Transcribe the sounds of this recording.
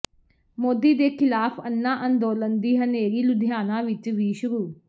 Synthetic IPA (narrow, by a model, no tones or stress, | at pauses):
moːd̪iːd̪eːkʰɪlaːpʰənːãːʔənd̪oːlənd̪iːɦəneːɾiːlʊd̪ʱɪjaːnãːʋɪt͡ʃʋiːʃʊɾuː